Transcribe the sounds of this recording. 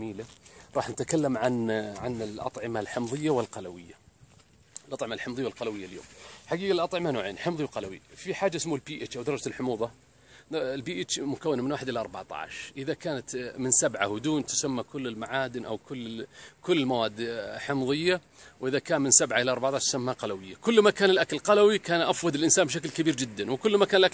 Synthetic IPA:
miːlaɾˤɑːħnat̪akalːamʕanʕanɪlʔɑ̰t̪ˤʕɪmalħɪmðˤɨjːawɪlqɑlawɪ̰jːa | lʔɑt̪ˤʕɪmalħɪmðˤjːaɪlqɑlawɪjːaljo̰ːmħaɡiːɡalʔɑt̪ˤʕɪmanoːʕeːnħɪmðˤiwqɑlawḭfiħaːd͡ʒːaʔɪsmulbiːʔɪt͡ʃʔawd̪ɑɾˤɑd͡ʒɪlħʊmuːðˤɑ | lbiːʔɪt͡ʃmʊkawːɪnamɪnwaːħɪd̪ʔɪlaʔɑɾˤbɑʕt̪ˤɑ̰ːʕʃʔɪðakaːnat̪mɪnsabʕa̰hd̪uːnt̪ʊ̥samːakʊlːɪlmaʕaːd̪ɪnʔa̰wkʊlːkʊlːɪlmawaːd̪ħɪmðˤɨjːa | wʔɪðakaːnmɪnsabʕaʔɪlaʔɑɾˤbɑʕt̪ˤaʕʃt̪ʊ̥samːaqɑlawɪjːakʊlːmakaːnɪlʔakalqɑlawikaːnʔafwɑd̪ɪlʔɪnsaːnbɪʃ̬ak̬lkabiːɾd͡ʒɪd̪ːanwkʊlːmakaːnlʔa

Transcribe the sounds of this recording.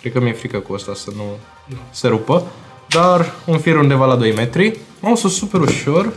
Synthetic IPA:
kɾekəmjefɾikəkuəst̪asənu | seɾupə | d̪arunfiɾund̪e̞valad̪o̞jme̞t̪ɾimamosossupe̞ɾuʃo̞r

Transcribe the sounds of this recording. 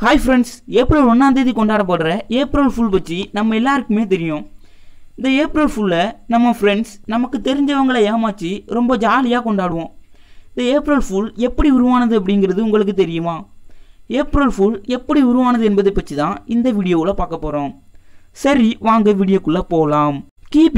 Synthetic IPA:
kaːɪfɾɛɳɖseːpɾɐlɔnːaːnd̪eːðikːɔɳɖaːɽɐp̬ɐːɽɯɾɐeːpɾɐlfʊlp̬ɐʈt͡ʃːinɐmːɐɛlːaːɾɯkːɯmeːt̪̬ɛɾɪjõː | ɪnd̪ɐeːpɪɾɐlfʊlːɐnɐmːɐfɾɛɳɖsnɐmɐkːɯt̪ɛɾɪɲd͡ʒɐʋɐŋɡɐɭɐeːmaːt͡ʃːiɾɔmbɐd͡ʒaːlɪjaːkɔɳɖaːɽɯʋõː | ɪnd̪ɐeːpɾɐlfʊlɛpːɐɽiʊɾʊʋaːnɐðɯɐp̬ːɐɽɪŋɡɪɾɐðɯʊŋɡɐɭɯk̬ːɯt̪ɛɾɪjɯmaː | eːpɾɐlfʊlɛpːɐɽiʊɾʊʋaːnɐðɯɛnbɐðɐɪpːɐʈt͡ʃːit̪ãːɪnd̪ɐʋiɽɪjoːɪlɐpaːɾkɐpːoːɾõːsɐɾiʋaːŋɡɐʋɪːɽɪjɐkːɯɭːɐpoːlaːmkiːp

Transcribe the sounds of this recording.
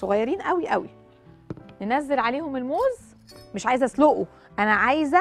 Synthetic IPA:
soɣæjːɑɾiːnʔæwiʔæwḭ | nenæzːelʕaleːhomelmoːz | meʃʕaːjezʔæsloʔo | ʔænæʕaːjzæ

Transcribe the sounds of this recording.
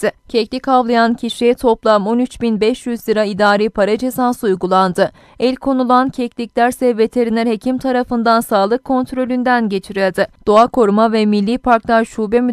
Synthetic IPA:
ɪcʰɛclʲikʰavlˠajancʰiʃɛt̪ʰo̞plˠamo̞nyt͡ʃbinbɛʃjyzlʲiɾaid̪aːɾiːpʰaɾad͡ʒe̞sansɯujɡulˠand̪ɯ | ɛlʲkʰo̞nulˠancʰɛclʲicʲlʲæɾsɛvbet̪ʰeɾinʲɛɾhe̞cʰimt̪ʰaɾafɯnd̪ansaːlˠɯkʰːo̞nt̪ɾo̞lʲynd̪ænɟe̞t͡ʃʰiɾilʲd̪ɪd̪̥oakʰo̞ɾumavɛmilʲːiːpʰaɾklˠaɾʃuːbɛmy

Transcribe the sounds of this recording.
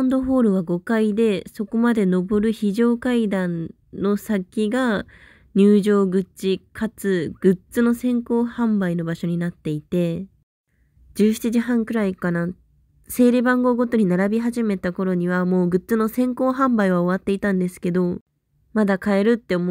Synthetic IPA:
ãnd̪o̞ɸo̞ːɾɯ̟β̞aɡo̞kaid̪e̞so̞ko̞mad̪e̞no̞bo̞ɾɯ̟çiʑo̞ːkaid̪ãnː | o̞sakʲiɡa | ɲ̟ɨːʑo̞ːɡɯ̟t͡ɕikʰat͡sɨɡ̥ɯ̟t͡sɨno̞sẽ̞ŋko̞ːhãmbaino̞baɕo̞ɲ̟inat̪ːe̞it̪e̞ | d͡ʑɨːɕi̥t͡ɕiʑiɦãŋkɯ̟ɾaikana | se̞ːɾebãŋɡo̞ːɡo̞t̪o̞ɲ̟inaɾabʲiɦaʑime̞t̪ako̞ɾo̞ɲ̟iβ̞amo̞ːɡɯ̟t͡sɨno̞sẽ̞ŋko̞ːɦãmbaiβ̞ao̞βat̪ːe̞it̪ãnd̪e̞sɨ̥ke̞d̪o̞ | mad̪akae̞ɾɯ̟t̪ːe̞om

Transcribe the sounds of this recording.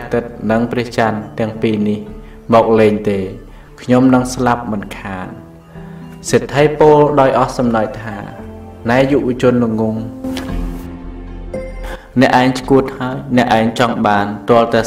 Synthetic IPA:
t̪ɨt̪̚nɨŋprɛ̆əht͡ɕant̪ɛ̆əŋpiːnih | mɔːk̚leːɲt̪eː | kʰɲomnɨŋslap̚mɨnkʰaːn | set̪ʰːəjpoːlɗaɔjʔɑhsɑmnaj̚t̪ʰa̰ː | naɛjuʋɔ̆ət͡ɕʊənːɨŋːuŋ | nɛ̆əʔaɛŋt͡ɕkuət̪̚haəjnɛ̆əʔaɛŋt͡ɕɑŋɓaːnt̪ŏəlt̪aɛ

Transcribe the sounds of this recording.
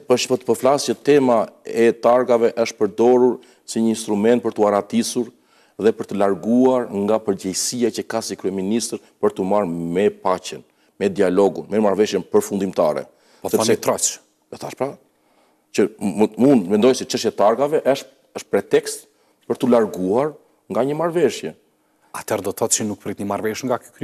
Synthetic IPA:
pəʃpət̪pəflasət̪ɛmaɛt̪aɾɡavɛʔəʃt̪̚pəɾd̪ɔɾuɾ | siɲəinst̪ɾumɛnt̪pəɾt̪uaɾat̪isuɾ | ðɛpəɾt̪əlaɾɡuaɾŋɡapəɾɟɛjsiacəkasikɾyɛminist̪ɾ | pəɾt̪umaɾmɛpacən | mɛd̪ialɔɡunmɛmaɾvɛʃjɛnpəɾfund̪imt̪aɾɛ̰ | pɔsɛsnit̪ɾɔt͡ʃ | ɛθaʃpɾa | cəmund̪vɛnd̪ɔjsɛt͡ʃəʃt̪jɛt̪aɾɡavɛʔəʃ | əʃpɾɛt̪ɛkst̪ | pəɾt̪ulaɾɡuaɾ | ŋɡaɲəmaɾvɛʃjɛ | at̪ʰɛɾɛd̪ɔt̪θɔt̪̚t͡ʃənuk̚pɾit̪ɲəmaɾvɛʃŋɡaky̥kɾ

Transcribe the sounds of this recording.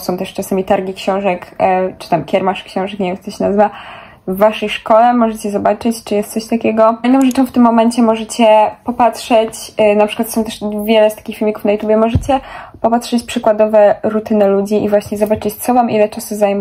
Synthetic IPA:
sɔ̃w̃t̪ɛʂt͡ʂasamʲit̪aɾɡʲikɕɔ̃w̃ʐɛkt͡ʂɨ̥t̪amkʲɛɾmaʂkɕɔ̃w̃ʐɛkɲɛvʲjɛmt̪sɔɕɛnazɘva | vːaʂɛjʂkɔlɛmɔʐɛt͡ɕɛzɔbat͡ʂɘt͡ɕt͡ʂɨjɛst̪sɔɕt̪akʲɛɡɔjnɔ̃w̃ʐɛt͡ʂɔ̃w̃ft̪ɘmːɔmɛɲt͡ɕɛmɔʐɛt͡ɕɛpɔpat̪ʂɛt͡ɕnapʂɘ̥kwat̪sɔ̃w̃t̪ɛʂvʲjɛlɛst̪ḁkʲixfʲilmʲikufnajut̪jubʲjɛmɔʐɛt͡ɕɛpɔpatʂɛt͡ɕpʂɘkwad̪ɔvɛɾut̪ɘnɛlud͡ʑiʔivwaɕɲɛzɔbat͡ʂɘt͡ɕt̪sɔvamʔilɛt͡ʂasuzajm

